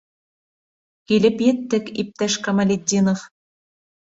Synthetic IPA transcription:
kʲilʲɘ̆pjɘ̆t̪ːɘ̆kip̚t̪æʃkɐmɐlʲedʲinŏf

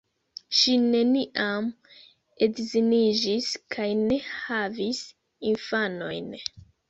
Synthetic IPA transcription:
ʃine̞niʔam | e̞dzinid͡ʒiskʰajne̞havis | infano̞jn

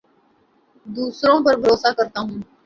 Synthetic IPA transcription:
d̪uːsɾõpɐɾbʱəɾoːsakəɾt̪aɦũː

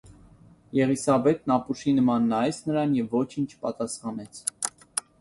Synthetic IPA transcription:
jɛʁisɑbɛt̪nɑpuʃinəmɑnːɑjɛsʰnəɾɑnjɛvːɔt͡ʃʰint͡ʃʰpɑt̪ɑsχɑnɛt͡sʰ

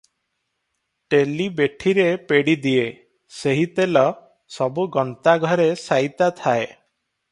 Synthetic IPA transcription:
ʈelibeʈʰiɾepeɽid̪ie | seɦit̪elɔ | sɔbuɡɔnt̪aɡʱɔɾesajt̪at̪ʰae

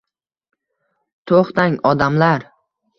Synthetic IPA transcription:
t̪ʰoχt̪aŋɒd̪amlaɾ

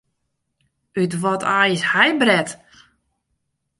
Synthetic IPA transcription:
ytʋɔtʰaːjəshajbrɛt

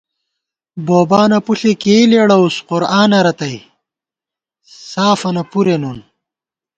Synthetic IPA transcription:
boːbaːnɐpuɬekeːleːɽɐusqʊɾaːnɐɾɐt̪ɐj | saːfɐnɐpuɾenun

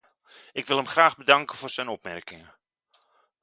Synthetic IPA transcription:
ɪkʋɪlˠɦəmχraːɣbədɑŋkəvʊːrz̥ɛjnɔpmɛrkɪŋə

